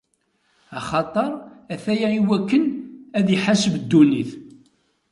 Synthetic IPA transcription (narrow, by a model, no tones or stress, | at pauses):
ɑχɑt̪ˤəɾˤæθæjæiwækːənæðjiħasəbd̪ːuniθ